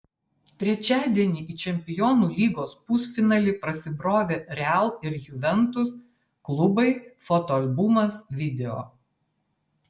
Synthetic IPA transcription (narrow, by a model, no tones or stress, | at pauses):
t̪ʲɾʲɛt͡ʃʲæːd̪ʲiɛnʲiːʔiːt͡ʃʲɛmʲpʲɪjɔːnuːlʲiːɡoːspʊsfʲɪnɑlʲiːpɾɐsʲɪbɾoːʋʲeːɾʲɛælˠɪɾjʊʋʲɛnt̪ʊs | klˠʊbɐɪfot̪ɔɐlʲbʊmɐsʋʲɪd̪ʲɛoː